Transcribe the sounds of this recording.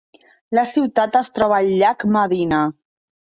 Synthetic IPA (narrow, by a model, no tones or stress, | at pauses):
ləsiwt̪at̪əst̪ɾɔβəːʎʎːakməðinə